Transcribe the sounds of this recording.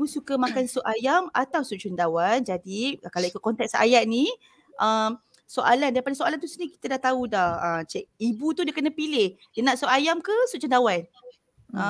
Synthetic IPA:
usukəmãkansuʔajamat̪awsuʔt͡ʃundawand͡ʒadikalawikut̪̚kɔnt̪ɛk̚sa̰jaʔ̪̚nĩ | ʔəm | soʔalandaipadasoalant̪usəniki̥t̪adaht̪audahət͡ʃɛk̚ibut̪udakənãpilɪhdənãʔsuʔajamkəsuʔt͡ʃundawan | ə

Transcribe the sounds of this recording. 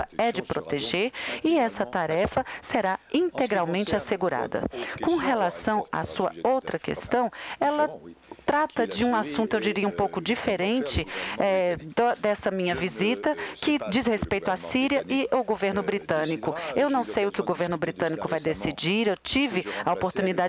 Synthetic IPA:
fɐɛd͡ʒɪpɾot̪eʒeɾɪɛsɐt̪aɾɛfɐseɾaĩnt̪eɡɾawmẽnt͡ʃɪaseɡuɾa̰d̪ɐ̰kõɦelasɐ̃w̃a̰suɐowt̪ɾɐkḛst̪ɐ̃w̃ɛlɐt̪ɾat̪ɐd͡ʒɪũasũnt̪ʊewd͡ʒiɾiɐũpowkʊd͡ʒifeɾẽnt͡ʃɪɛd̪ɐd̪ɛsɐmĩɲɐvizit̪ɐkɪd͡ʒishespejt̪ʊasiɾiɐʔɪʔʊɡoveɾnʊbɾit̪ɐ̃nikʊewnɐ̃w̃sejʊkɪʊɡoveɾnʊbɾit̪ɐ̃nikʊvajd̪esid͡ʒiɾewt͡ʃivɪɐopoɾt̪unid̪ad͡ʒ

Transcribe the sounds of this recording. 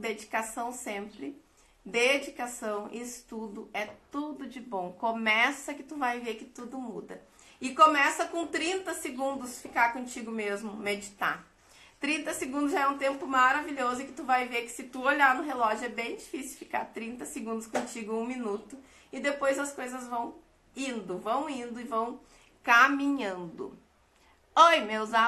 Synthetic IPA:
d̪ed͡ʒikasɐ̃w̃sẽmpɾɪ | d̪ed͡ʒikasɐ̃w̃ḭːst̪ud̪ʊɛt̪ud̪ʊd͡ʒɪbõw̃komɛsɐkɪt̪uvajveɾkɪt̪ud̪ʊmud̪ɐ | ɪkõmɛsɐkõt̪ɾĩnt̪ɐsɪɡũnd̪ʊsfikaɾkõt͡ʃiɡʊmezmʊmed͡ʒit̪a̰ɾ | t̪ɾĩnt̪ɐsɪɡũd̪ʊzʒaɛũt̪ẽmpʊmaɾaviʎʲozʊɪkɪ̥t̪uvajveɾkɪ̥sɪt̪uoʎaɾnʊɦelɔʒʊɛbẽj̃d͡ʒifisiɪwfi̥ka̰ɾt̪ɾĩnt̪ɐsɪɡũnd̪ʊskõt͡ʃiɡʊũmĩnut̪ʊ | ɪd̪epojzɐskojzɐzvɐ̃w̃ | ĩnd̪ʊvɐ̃w̃ĩnd̪ʊɪvɐ̃w̃ | kamĩɲɐ̃nd̪ʊ̰ | ojmewza

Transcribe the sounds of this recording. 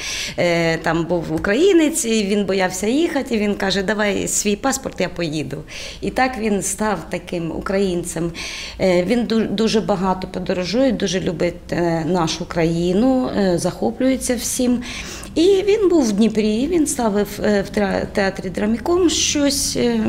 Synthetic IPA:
t̪ɑmbuwʊkɾɐjinɪt͡sʲiʋʲinbɔjɑwsʲɐjixɐtʲiʋʲinkɑʒɛd̪ɐʋɑjsʲʋʲijpɑspɔrt̪japɔjid̪ʊ | it̪ɑkʋʲinst̪ɑwt̪ɐkɪmʊ̰kɾɐjint̪sɛm | ʋʲind̪ud̪uʒɛbɐɦɑt̪ɔpɔd̪ɔɾɔʒujʊd̪uʒɛlʲubɪtʲnɑʃʊkɾɐjinʊzɐxɔplʲʊjet͡sʲːɐwsʲim | iʋʲinbuwdʲnʲipɾʲiʋʲinst̪ɑʋɪwwt̪t̪eɑt̪ɾʲid̪ɾɐmʲɪkɔmʃt͡ʃɔsʲ

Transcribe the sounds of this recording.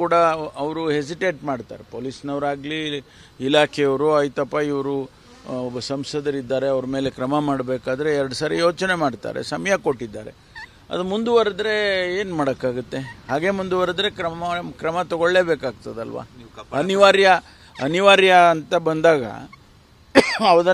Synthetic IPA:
kuːɽɐɐʋɾuɦes̬iʈe̞ːʈmaːɖt̪a̰ːɾepoːlisnɐʋɾaːɡli | ilaːkʰɛjɐʋɾuɐjt̪ɐpːaiʋɐɾu | ɔbːɐsɐmsɐd̪ɐɾid̪ːaːɾe̞ɐʋɾme̞ːle̞kɾɐmɐmaːɽbe̞ːkaːd̪ɐɾe̞ɛɾɐɽɐsaːɾijo̞ːt͡ʃne̞maːɖt̪a̰ːɾe̞̰sɐmɐjɐko̞ʈːid̪ːa̰ːɾe̞̰ | ɐ̰d̪umund̪uʋɐɾɐd̪ɾe̞eːnmaːɽɐkːaːɡut̪ːe̞haːɡe̞mund̪uʋɐɾɐd̪ɾe̞kɾɐmɐkɾɐmɐt̪ɔɡoɭːe̞ːbeːkaːɡt̪ɐd̪ɐlʋa̰ːɐniʋaːɾjɐ | ɐniʋaːɾjɐːnt̪ɐbɐnd̪aːɡɐ̰ | ɐʋɐd̪ɐ

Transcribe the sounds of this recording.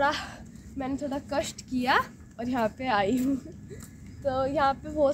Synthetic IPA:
ɽa | mɛ̃ːnet̪ʰoːɽakɐsʈkija | ɔːɾjɐɦãpeaːiɦũː | t̪oːjɐɦãpebʱoː

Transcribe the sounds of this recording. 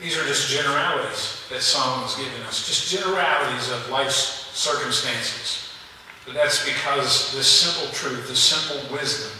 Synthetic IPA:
ðizə˞d͡ʒʌsd̥ʒ̥ɛnə˞ælˠəɾizðɨtsʌ̃mwʌ̃ŋ̃zɡɪvɨ̃nʌsd̥ʒ̥ʌsd̥ʒ̥ɛnə˞ælˠəɾizʌvlaɪfsɜ˞kɨ̃mstæ̃nsɨz̥ | b̥ʌt̪̚ðætsb̥ɨkʰʌzðɪsɪ̃mpl̩ˠtʰɹ̥ʉθðɨsɪ̃mpl̩ˠwɪzdɨ̃m

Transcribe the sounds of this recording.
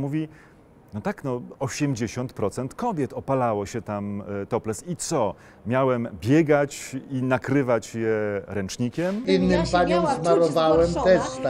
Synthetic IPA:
muvʲi | nɔt̪aknɔɔɕɛmd͡ʑeɕɔnt̪pɾɔt̪sɛnt̪kɔbʲjɛt̪ɔpalawɔɕɛt̪amt̪ɔplɛsit̪sɔ | mʲjawɛmbʲjɛɡat͡ɕinakɾɘvat͡ɕjɛɾɛnt͡ʂɲikʲɛminːɘmpaɲɔmzzmaɾɔvawɛmt̪ɛʂt̪

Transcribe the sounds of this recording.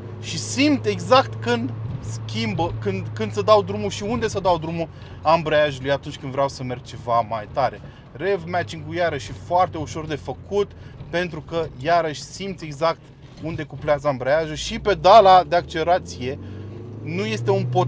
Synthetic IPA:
ʃisimt̪ʲe̞ɡzakt̪kɨnd̪skʲimbəkɨnd̪kɨnd̪səd̪awd̪ɾumuʃiund̪e̞səd̪awd̪ɾumu | ambɾəjaʒulujat̪unt͡ʃʲkɨnd̪vɾeawsəme̞rɡ̚t͡ʃe̞vamajt̪aɾe̞ | re̞vmat͡ʃiŋkujaɾəʃifoart̪e̞uʃo̞rd̪e̞fəkut̪pe̞nt̪ɾukəjaɾəʃʲsimt̪sʲe̞ɡzak̚t̪ | und̪e̞kopleazəambɾəaʒuʃipe̞d̪alad̪e̞akt͡ʃeleɾat̪sije̞ | nuje̞st̪e̞unpo

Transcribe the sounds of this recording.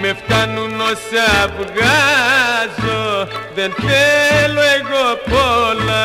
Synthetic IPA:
meft̪anũnosaβuɣa | zoðent̪elweɣopola

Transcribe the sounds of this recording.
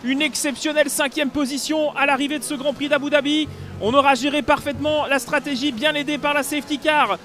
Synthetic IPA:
ynɛksɛpsjɔnɛlsɛ̃kʲjɛmpozisjɔ̃alaʁived̪əsəɡʁɑ̃pχid̪abud̪abiɔ̃nɔʁaʒeʁepaʁfɛt̪mɑ̃last̪χat̪eʒibjɛ̃ned̪epaʁlaseɛft̪ikʲaʁ

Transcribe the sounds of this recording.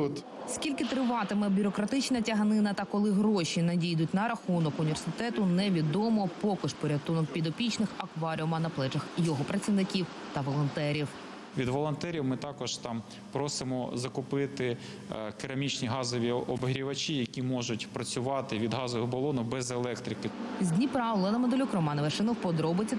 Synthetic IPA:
t̪ | skʲilʲkɪt̪ɾɪʋɑt̪ɪmɛbʲʊɾɔkɾɐt̪ɪt͡ʃnɐtʲɐɦɐnɪnɐt̪ɐkɔlˠɪɦɾɔʃʲinɐdʲijd̪ʊtʲnɐɾɐxunɔkʊnʲiʋʲersɪt̪ɛt̪ʊnɛʋʲid̪ɔmɔpɔkɪʃpɔɾʲɐt̪unɔk̚pʲid̪ɔpʲit͡ʃnɪxɐkʋɑɾʲiuʊmɐnɐplˠɛd͡ʒɐxjɔɦɔpɾɐt͡sʲiʋnɪkʲiw | t̪ɐʋɔlˠɔnt̪ɛɾʲiw | ʋʲid̪ʋɔlˠɔnt̪ɛɾʲiwmɪt̪ɑkɔʒ̥t̪ɑm | pɾɔsɪmɔzɐkʊpɪt̪ɪ | kɪɾɐmʲit͡ʃnʲiɦɑzɔʋʲiɔbɦɾʲiʋɐt͡ʃʲijɐkʲimɔʒʊtʲpɾɐt͡sʲʊʋɑt̪ɪʋʲid̪ɦɑzɔʋɔɦɔbɔlˠɔnʊbɛzelˠɛkt̪ɾʲɪkɪzʲdʲnʲipɾɑʋlˠɛnɐmed̪ɔlʲɔkɾɔmɑnɪʋɐʃɪnɔwpɔd̪ɾɔbɪt͡sʲɐ

